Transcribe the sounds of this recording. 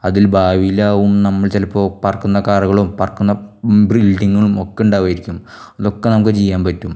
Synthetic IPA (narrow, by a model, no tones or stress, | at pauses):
ɐðilbʱaːʋijlaːʋumnɐmːɐɭt͡ɕɐlɐpːo̞ːpɐrɐkːunːɐkaːriɣɐɭumpɐrkːunːɐbrilɖiŋːɐɭumokːeuɳɖaːʋaːjiɾikʲːum | ɐðo̞kːenɐmukːɨt͡ɕejːaːmpɐtːum